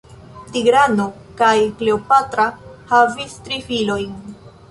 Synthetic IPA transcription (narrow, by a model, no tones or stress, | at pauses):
tiɡɾano̞ | kajkle̞opatɾahavistɾifilo̞jn